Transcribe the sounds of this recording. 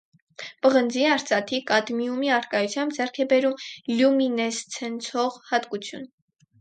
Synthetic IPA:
pəʁənd͡ziɑɾt͡sɑt̪ʰikɑt̪mjumiɑɾkɑjut͡sʰjɑmbd͡zɛrkʰɛbɛɾumljuminɛst͡sʰɛnt͡sʰɔʁhɑt̪kut͡sʰjṵn

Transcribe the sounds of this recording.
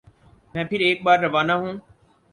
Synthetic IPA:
mɛ̃ːpʰɪɾeːk̚ɓaːɾːɐʋaːnaɦũː

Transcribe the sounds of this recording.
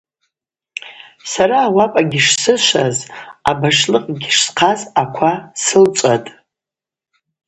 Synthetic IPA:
saɾaːwapʼaɡʲɪʂsɨʃʷaza̰baʂlɨqʼɡʲɪʂsqʰazakʷʰasɨlt͡ʃʷʼatʼ

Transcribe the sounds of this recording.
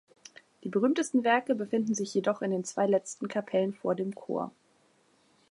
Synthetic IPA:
d̥iːbəʁyːmtəstn̩vɛɐkəbəfɪndn̩zɪçjedɔχɪndeːnt͡sv̥a̰ɪlɛt͡stn̩kʰapʰɛlənfoːɐdeːmkʰo̰ːɐ

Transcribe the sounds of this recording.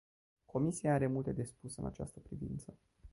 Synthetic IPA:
kʰo̞misiaaɾe̞mult̪e̞d̪e̞spusɨna̰t͡ʃa̰st̪əpɾivint̪sə

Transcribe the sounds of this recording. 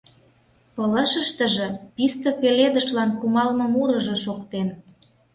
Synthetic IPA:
pələ̆ʃə̆ʃt̪ə̆ʒĕpist̪ɤ̆peled̪əʃlɑnkumɑlmɤ̆muɾə̆ʒɤ̆ʃokt̪en

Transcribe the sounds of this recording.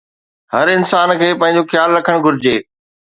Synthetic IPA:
hɐɾɪnsaːnkʰeːpɐ̃ɦɪ̃ɲ̆d͡ʑoxjaːlɾɐkʰəɽ̃ɡʱʊɾɪd͡ʑeː

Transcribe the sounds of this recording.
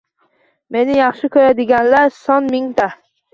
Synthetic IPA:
me̞nɪjɑχʃɪkʰɵɾad̪ɪɡʲanlaɾsɒnmɪŋt̪ʰa

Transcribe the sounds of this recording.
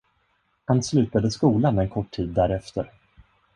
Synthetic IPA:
hanslʉ̟ːt̪ad̪əskuːlanɛnkʰɔʈʰːiːd̪ːæɾɛft̪ʰəɾ

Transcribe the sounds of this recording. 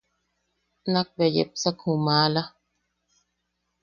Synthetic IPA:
nak̚bejḛp̚sakhũmãːla

